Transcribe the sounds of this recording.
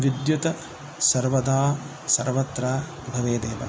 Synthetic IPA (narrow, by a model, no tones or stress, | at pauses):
ʋid̪jut̪ɐ | sɐɾʋɐd̪aː | sɐɾʋɐt̪ɾaː | bʱɐʋeːd̪eːʋɐ̰